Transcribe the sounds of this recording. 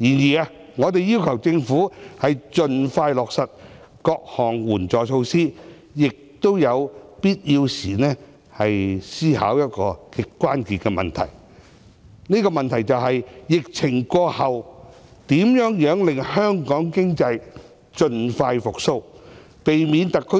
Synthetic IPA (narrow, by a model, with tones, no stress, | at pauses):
jiː˨˩njiː˨a˧ | ŋɔː˨˧t̪̬e˨jiː˥wkʰɐ˨˩wt͡sɪ˧ŋfuː˨˥hɐ˨jt͡ʃɵ˨nfaː˧jlɔː˨˩k̚sɐ˨t̚ | kɔː˧k̚hɔː˨˩ŋwuː˨˩nt͡sɔː˨˩t͡sʰo˧wsiː˥ | jɪ˨k̚t̪o˥wjɐ˨˧wpiː˥t̚jiː˧wsiː˨˩nɛː˥ | hɐ˨jsiː˥ha̰ː˨˥wjɐ˥t̚kɔː˧kɪ˨˧kːʷaː˥nkiː˨t̚kɛː˧mɐ̰˨nt̪ʰɐ̰˨˩j | niː˥kɔː˧mɐ˨nt̪ʰɐ˨˩jt͡sɐ˨wɦɐ˨jjɪ˨k̚t͡sʰɪ˨˩ŋkɔː˧hɐ˨w | t̪iː˨˥mjœː˨˥ŋjœː˨˥ŋlɪ˨ŋhœː˥ŋkɔː˨˥ŋkɪ˥ŋt͡sɐ˧j | t͡ʃɵ˧nfaː˧jfʊ˨k̚so˧w | pe˨jmiː˨˧nt̪ɐ˨kʰːɵ˥